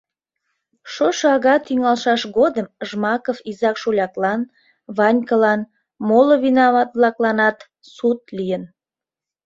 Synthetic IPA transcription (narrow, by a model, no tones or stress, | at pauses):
ʃoʃoɑɣɑt̪yŋɑlʃɑʃɣod̪əmʒmɑkofizɑkʃulʲɑklɑn | βɑnʲkəlɑn | moloβinɑβɑt̪̚βlɑklɑnɑt̪ | sut̪lijən